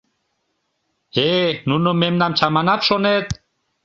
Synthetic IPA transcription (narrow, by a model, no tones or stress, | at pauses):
henunomemnamt͡ɕʰamanapʃɔnet̪